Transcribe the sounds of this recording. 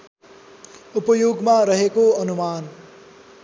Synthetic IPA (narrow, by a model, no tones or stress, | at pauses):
upʌjoɡmaɾʌɦekoʌnuman